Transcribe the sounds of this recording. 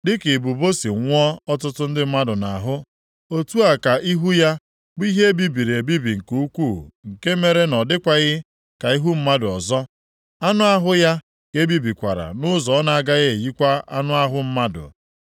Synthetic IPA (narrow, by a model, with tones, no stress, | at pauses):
dɪ˦ke˨bu˨bo˦si˨ŋʷ˦ɔ˦ɔ˦t̬ʊ˦tʊ˦n̩˦dɪ˦m̩˦ma˦dʊ˨na˨ɦʊ˦ | o˦tu˦a˨ka˨ʔi˦ɦu˦ja˦ | bʊ˦i˦ɦe˦e˦bi˦bi˨ɾe˨bi˦bi˨ŋ̩˨ku˦u˦kʷu˦˨ŋ̩˨ke˦me˦ɾe˦nɔ˨dɪ˦kʷa˦ɣɪ˦ | ka˨i˦ɦu˦m̩˦ma˦dʊ˨ɔ˨zɔ˦ | a˦nʊ˦a˦ɦʊ˦ja˦ | ke˨˦bi˦bi˨kʷa˨ɾa̰˨nʊ˦zɔ˨ɔ˦na˨a˦ɡa˦ɣɪ˦e˨ji˦kʷa˦a˦nʊ˦a˦ɦʊ˦m̩˦ma˦dʊ̰˨